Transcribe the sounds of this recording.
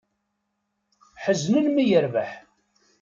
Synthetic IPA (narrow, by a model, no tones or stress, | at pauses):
ħəznəlmijəɾvaħ